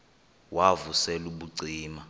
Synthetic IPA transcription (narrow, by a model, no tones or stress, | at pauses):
wavusɛluɓuɡ͡ǀʱiːma